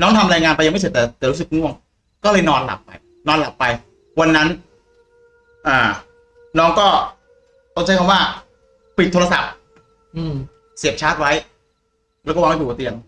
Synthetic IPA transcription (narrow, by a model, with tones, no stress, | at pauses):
nɔː˦˥ŋt̪ʰa˧mɾaː˧jŋaː˧npa˧ja˧ma˥˩se˨˩t̪̚ːɛː˨˩t̪ɛː˨˩ɾu˦˥sɯ˨˩k̚mu˥˩əŋ | kɔː˥˩lɤ˧jnɔː˧nla̰˨˩pːa̰˧j | nɔː˧nla̰˨˩pːa˧j | wa˧nːa˦˥n | ʔaː˨˩ | nɔː˦˥ŋkɔː˥˩ | o˥˩t͡ɕʰa˦˥jkʰa˧mwaː˥˩ | pi˨˩t̪ʰːo˧la˧sa̰˨˩p̚ | ʔɯ˧˩ | si˨˩əp̚t͡ɕʰaː˦˥t̪̚wa˦˥j | ɾkɔː˥˩aː˧m˥˩pʰːt̪i˧ən